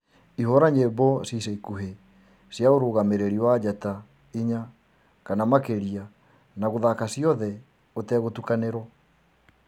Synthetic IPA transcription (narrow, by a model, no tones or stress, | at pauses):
ihoɾaɲebɔsiseikuɦe | sjaoɾoːɣameɾeɾiwad͡ʒata | iɲa | kanamakeɾia | naɣoðakasjɔðɛ | otɛɣotukaneɾɔ